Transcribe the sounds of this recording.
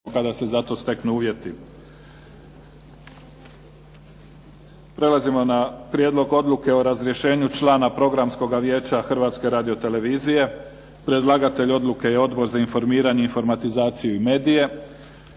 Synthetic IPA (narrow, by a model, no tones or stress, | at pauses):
kad̪ase̞zat̪o̞st̪e̞knuuːʋje̞t̪i | pɾe̞lˠazimo̞napɾje̞ːd̪lˠo̞ɡo̞d̪lˠuke̞oɾazɾje̞ʃe̞ːɲut͡ʃlaːnapɾo̞ɡɾamsko̞ɡaʋje̞ːt͡ɕaxr̩ʋat̪ske̞ɾaːd̪io̞t̪e̞le̞ʋiːzije̞ | pɾed̪lˠaɡat̪e̞ʎo̞d̪luke̞je̞o̞d̪bo̞ɾzainfo̞ɾmiːɾaɲe̞info̞ɾmat̪izaːt̪sijuime̞ːd̪ije̞